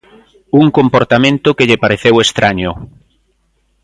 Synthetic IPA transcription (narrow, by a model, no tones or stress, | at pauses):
uŋkompoɾt̪amẽnt̪ʊkeʎepaɾeθewest̪ɾʔaɲʊ